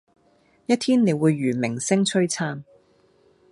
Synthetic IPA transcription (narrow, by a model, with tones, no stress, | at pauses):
jɐ˥t̪ʰiː˥nne˨˧jwuː˨˧jːyː˨˩mɪ˨˩ŋsɪ˥ŋt͡ʃʰɵ˥ɥt͡sʰaː˥n